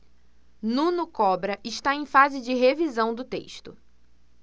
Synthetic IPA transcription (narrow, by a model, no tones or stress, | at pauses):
nũnʊkɔbɾɐʔɪʃt̪aẽj̃fazɪd͡ʒɪɦevizɐ̃w̃d̪ʊt̪ḛʃt̪ʊ